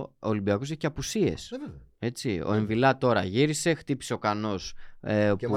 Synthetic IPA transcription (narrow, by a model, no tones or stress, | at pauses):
olimbiɐko̞seçi̥ceɐpusie̞̰se̞t͡sio̰eɱvilɐt̪o̞ɾɐʝiɾise̞xt̪ipi̥se̞o̞kɐno̞s | u